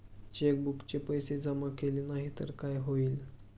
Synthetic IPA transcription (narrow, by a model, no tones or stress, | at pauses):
t͡ɕek̚bukt͡ɕepəjsed͡zamakelinaɦit̪ə̰ɾkajɦoil